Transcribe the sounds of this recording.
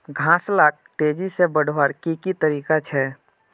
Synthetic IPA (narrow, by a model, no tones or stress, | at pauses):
ɡʱãːslaːk̚ʈeːd͡ʒisebəɽ̤ʱʋaːɾkikit̪əɾiːkat͡ʃʰɛː